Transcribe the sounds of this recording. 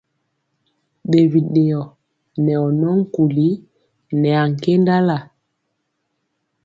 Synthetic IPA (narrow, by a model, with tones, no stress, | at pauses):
ɓe˨vi˨ɗe˨ɔ˨ | nɛ˨ɔ˨nɔ˦ŋ̩˦ku˨li˦ | nɛ˨a˨ŋ˨ke˦nda˦la˨